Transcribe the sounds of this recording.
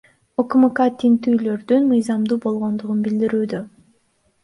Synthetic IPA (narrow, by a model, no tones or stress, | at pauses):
okmɨkat̪int̪yːlø̞ɾd̪ynmɯjzɑmd̪uːbo̞lˠʁo̞nd̪uʁunbild̪iɾyːd̪ø